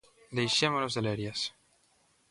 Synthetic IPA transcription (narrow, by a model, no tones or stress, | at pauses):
d̪ejʃemolozðeleɾjes